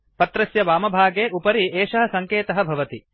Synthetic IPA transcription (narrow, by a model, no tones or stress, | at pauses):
pɐt̪ɾɐsjɐʋaːmɐbʱaːɡeːʔupɐɾiʔeːʃɐɦɐ̆sɐŋkeːt̪ɐɦɐ̆bʱɐʋɐt̪i